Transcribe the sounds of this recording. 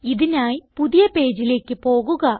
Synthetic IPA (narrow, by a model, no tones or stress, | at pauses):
iðinaːjipuðijɐpe̞ːd͡ʑile̞ːkːɨpo̞ːɣuɣɐ